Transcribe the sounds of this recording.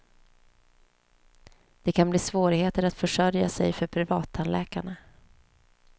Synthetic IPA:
d̪̥ɛkʰanbliːsvoːɾɪheːt̪əɾat̪fœʂœɾja̰sɛ̰jfœɾpʰɾɪvɑːt̪ʰːanlʔɛ̰ːkaɳa

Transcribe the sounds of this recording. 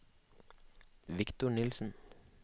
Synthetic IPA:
ʋɪkt̪ʊɳɪlsn̩

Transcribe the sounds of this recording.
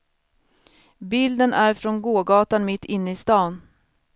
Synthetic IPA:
bɪld̪ənæɾfɾɔnɡoːɡɑːt̪anmɪt̪ːɪnːəɪst̪ɑːn

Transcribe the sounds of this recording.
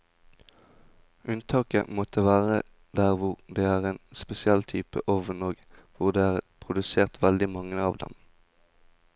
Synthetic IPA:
ʔʉnt̪ʰɑːkə̰mɔt̪ʰəʋæːʁə | d̪æʁʋʊʁd̪eːæːʁeːnspɛsɪɛlt̪ʰyːpə̰ʔɔʋənoːɡʋʊʁd̪eːæːʁpʰʁʊd̪ʉseːʁt̪ʋɛld̪ɪmɑŋːəɑːʋd̪ɛ̰m

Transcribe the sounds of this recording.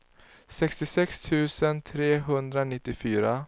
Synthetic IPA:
sɛkst̪ɪsɛkst̪ʰʉ̟ːsənt̪ʰɾeːɦɵnd̪ɾanɪt̪ːɪfyːɾa

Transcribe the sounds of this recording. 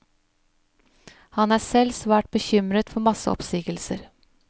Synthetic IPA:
hɑnæːsɛlsʋæːʈ̚b̥əçʏmɾət̪fɔɾmɑsə̰ɔ̰psiːɡəlsəɾ

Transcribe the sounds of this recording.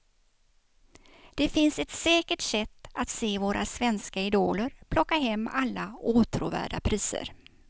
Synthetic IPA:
d̪̥ɛfɪnsɛt̪sɛːkəʈsɛt̪ːat̪seːvoːɾʔa̰svɛnskaɪd̪oːləɾpʰlɔkːaɦɛmːalːauːt̪ʰɾṵːvæ̰ːɖa̰pʰɾiːsə̰ɾ

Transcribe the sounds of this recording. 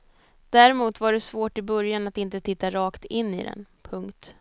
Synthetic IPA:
d̪̥æɾɛmuːt̪vaɖɛsvoːʈɪbœɾjanat̪ɪnt̪ət̪ʰɪt̪ːaɾɑːkt̪ɪnːḭd̪ɛ̰npʰɵŋkt̪

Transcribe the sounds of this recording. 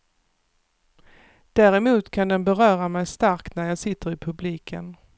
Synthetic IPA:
d̪̥æːɾɛmuːt̪kʰand̪ɛnbɛɾœːɾamɛjst̪aɾkt̪næɾjɑːɡsɪt̪ːəɾɪpʰɵbliːkʰə̰n

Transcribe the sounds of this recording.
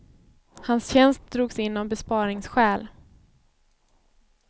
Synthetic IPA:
hansɕɛnst̪̚d̪ɾuːɡsɪnːɔmbɛspɑːɾɪŋsɧɛːl

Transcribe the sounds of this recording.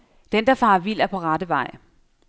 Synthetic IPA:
d̥end̥ɑ̈fɑ̈ːʋil̰æɐpʰɒ̽ʁɑ̈d̥əʋɑ̈ɪ̰

